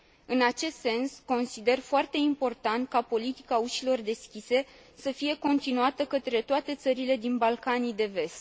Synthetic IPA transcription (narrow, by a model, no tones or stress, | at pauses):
ɨnat͡ʃe̞st̪se̞nsko̞nsid̪e̞rfoart̪e̞impo̞rt̪ant̪̚kapo̞lit̪i̥kauʃilo̞rd̪e̞skʲise̞ | səfije̞ko̞nt̪inuat̪əkət̪ɾe̞t̪oat̪e̞t̪səɾile̞d̪inbalkanijd̪e̞ve̞st̪